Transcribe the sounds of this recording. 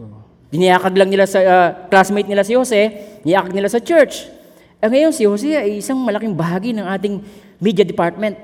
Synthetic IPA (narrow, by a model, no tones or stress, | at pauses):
d̪ɪnɪjaːkɐɡlɐŋnɪlasɐklasmejt̪nɪlasɪhosɛɪnɪjaːkɐɡ̚nɪlasɐt͡ʃɛɹt͡ʃ | ʔɐŋɐjo̞nsɪhos̬ɛʔɐjʔɪsaŋmɐlɐkɪŋbɐɦaːɡɪnɐŋʔaːt̪̬ɪŋ | mid̪jɐd̪ɪpaɹt̪̚mɛnt̪̚